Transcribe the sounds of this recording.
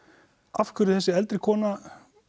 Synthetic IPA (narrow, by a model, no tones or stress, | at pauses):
afkʰvʏɾʏθɛsːɪɛlt̪ɾɪkʰɔːna